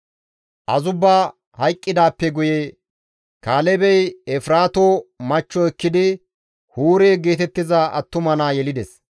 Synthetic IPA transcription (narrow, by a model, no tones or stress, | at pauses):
ʔɐzʊbːaː | hɐjkʼːɪd̪aːpːɛɡʊje | kaːlɛbɛjɛfɪɾaːt̪oːmɐt͡ʃːɔɛkːɪd̪ɪ | huːɾeːɡeːt̪ɛt̪ːɪzɐɐ̰t̪ːʊmɐnaːjɛlɪd̪ɛs